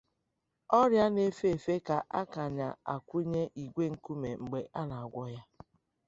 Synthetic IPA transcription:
ɔ˦ɾja˦ne˦fe˦e˨fe˦ka˨ʔa˦ka˨ɲa̰˨a̰˨kʷu˦ɲe˦ʔi˨ɡʷe˦ŋ̩˨ku˦me˨ŋ͡m̩˨ɡ͡be˨ʔa˦na˨a˨ɡʷɔ˦ja˦

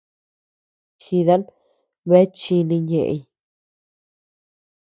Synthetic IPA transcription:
t͡ʃi˧ða˦n | βe˦t͡ʃi˧nĩ˧ɲḛ˧˨ʔḛ˧j

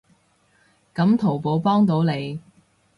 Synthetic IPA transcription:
kɐ˨˧˥mt̪ʰo˨˩wpo˨˧˥wpɔː˥ŋt̪̬o˨˥wne˨˧j

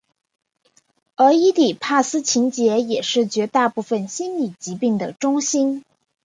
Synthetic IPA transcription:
ə˞˧˥i˥t̪i˨˩pʰa˥˩sɹ̩˥t͡ɕʰi˧˥ŋt͡ɕjɛ˧˥jɛ˨˩ʂɻ̩˥˩t͡ɕɥɛ˧˥t̪a˥˧pu˥˩fə˨nɕi˥nli˨˩t͡ɕi˧˥pi˥˩ŋd̪ə˩ʈ͡ʂʊ˥ŋɕi˥n

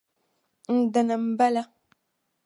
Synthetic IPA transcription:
n̩˦da˨na˨m̩˦ba˦la˦

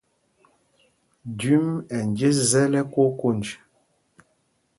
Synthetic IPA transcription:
dy˨˦mɛ˨n˨d͡ʒe˦zɛ˦lɛ˦ko˦ko˦˨nd͡ʒi˨

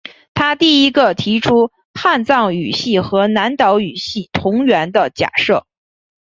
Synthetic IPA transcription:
t̪ʰa˥t̪i˥˩i˥ɡə˧t̪ʰi˧˥ʈ͡ʂʰu˥ | xa˥˧nt͡sɑ˥˩ŋy˨˩ɕi˥˩xɤ˧˥na˧˥nt̪ɑ˧˥ʊy˨˩ɕi˥˩t̪ʰʊ˧˥ŋɥɛ˧˥nd̪ə˧t͡ɕja̰˨˩ʂɤ˥˩

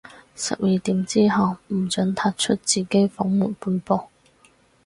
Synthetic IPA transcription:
sɐ̰˨p̚jiː˨˧t̪iː˨˥mt͡siː˥ɦɐ˨˩wm̩˨˩t͡sœ˨˥ŋt̪ʰaː˧˥t̚t͡ʃʰɵ˥t̚t͡siː˨ke˨˥jfʊ˨˥ŋmuː˨˩npuː˧npo˧

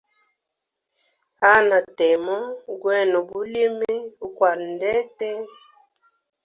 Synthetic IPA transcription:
a˦na˨tɛ˨mɔ˦ɡwɛ˦˨nɔ˨bu˦li˦mi˦u˨kwa˨ɾn˨dɛ˦tɛ˦

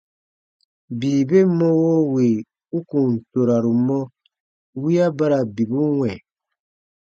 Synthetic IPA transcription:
biː˨be˦mɔ̃˦wo˦we˨ | u˦kũ˨n˨to˨ɾa˨ɾu˨mɔ̃˦ | wi˦a˦ba˦ɾa˨bi˨bu˦wɛ̃˨

